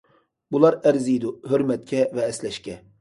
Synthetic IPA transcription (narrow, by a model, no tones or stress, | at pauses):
bulˠɑɾɛɾzijd̪uɦøɾmɛt̪̚kʲʰɛvɛːslɛʃkʲɛ